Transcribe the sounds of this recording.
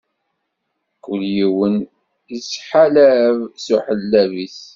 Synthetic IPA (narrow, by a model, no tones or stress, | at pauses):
kːəljiwən | isħalævsuħəlːævis